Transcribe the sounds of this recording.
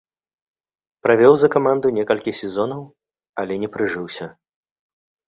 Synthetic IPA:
pɾavʲɔwzɐkamand̪unʲɛkɐlʲkʲisʲɛzɔnɐw | ɐlʲɛnʲɛpɾɨʐɨwsʲɐ

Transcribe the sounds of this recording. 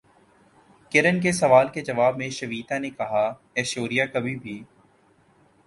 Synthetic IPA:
kɪɾənk̬esɐʋaːlked͡ʒɐʋaːbmẽʃɐʋiːt̪anekɐɦa | ɛːʃoːɾijakɐbʱibʱiː

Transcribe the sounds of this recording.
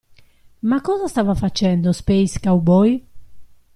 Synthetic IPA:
makːɔzast̪avafat͡ʃɛnd̪ospejskawbɔj

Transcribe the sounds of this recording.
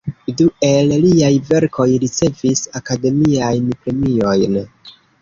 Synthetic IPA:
due̞lliajve̞ɾkʰo̞jɾit͡se̞visakade̞miajnpɾe̞mio̞jn

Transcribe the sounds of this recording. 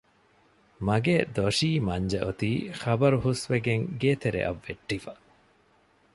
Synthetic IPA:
mɐɡeːd̪oʂiːmɐɲd͡ʒɐʔot̪iːχɐbɐɾuɦusʋeɡeŋɡeːt̪eɾḛʔɐ̰ʋːeʈːifɐ

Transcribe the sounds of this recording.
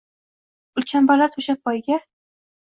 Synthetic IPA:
ʊlt͡ʃʰanbalaɾt̪ʰɵʃap̚bɒjɡʲa

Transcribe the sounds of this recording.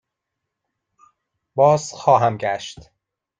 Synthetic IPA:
b̥ɒːz̥xɒːɦæmɟæʃt̪

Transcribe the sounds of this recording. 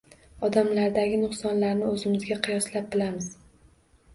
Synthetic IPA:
ɒd̪amlaɾd̪aɡʲɪnʊqsɒnlaɾnɪɵzɪmɪzɡʲaqʰɨjɒslap̚bɪlamɪz

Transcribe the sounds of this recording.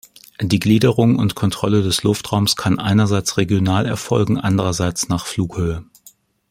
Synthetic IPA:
d̥iːɡliːdəʁʊŋʊ̰ntkʰɔntʁ̥ɔlədɛslʊftʁ̥aʊmskʰanʔa̰ɪnɐzaɪt͡sʁeɡjonaːlɛɐfɔlɡŋ̩ʔandəʁɐzaɪt͡snaːχfluːkhøːə

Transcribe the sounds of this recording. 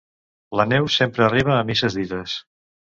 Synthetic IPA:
lənɛwsempɾəːriβ̞əːmisəzðiðəs

